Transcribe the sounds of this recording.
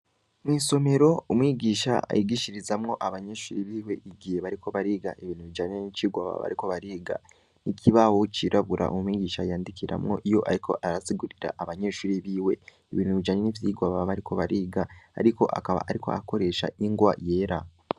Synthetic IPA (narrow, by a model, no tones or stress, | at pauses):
mwiːso̞me̞ɾo̞umŋiɡiːʃa̰a̰jiɡiʃiɾizamŋo̞ʔaβaɲeʃuːɾiβiːwe̞ʔiɡiheβaɾikʰo̞βaɾiːɡaʔeβiːn̥uβid͡ʒaɲenit͡ʃiɡwaβa̰βa̰ɾiko̞βaɾiːɡa̰ | nikʰiβawot͡ʃiɾʔaβuɾʔa̰ʔomumiːɡiːʃajaːndikʰiɾa̰mŋo̞̰ʔijo̞ʔaɾikʰo̞ʔaɾasiɡuɾiɾa̰ʔaβaɲe̞ʃuːɾiβiːwe̞ | eβiːn̥uβid͡ʒaɲenivjiːɡwaβaβaɾiko̞βaɾiːɡa̰ːɾiko̞̰ʔa̰kaβa̰ʔaɾiko̞̰a̰ko̞ɾe̞ʃa̰iŋɡwaje̞ːɾa